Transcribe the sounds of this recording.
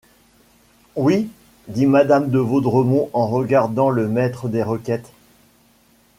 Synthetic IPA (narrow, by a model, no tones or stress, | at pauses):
wi | d̪imad̪amd̪əvod̪ʁəmɔ̃ʔɑ̃ʁəɡaʁd̪ɑ̃ləmɛt̪χəd̪eʁəkʲɛt̪